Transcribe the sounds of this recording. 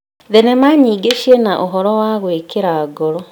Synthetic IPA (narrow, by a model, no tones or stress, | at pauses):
ðɛnɛmaːɲiːɡeʃienaʔoɦɔɾɔwaɣwekeɾaɡɔɾɔ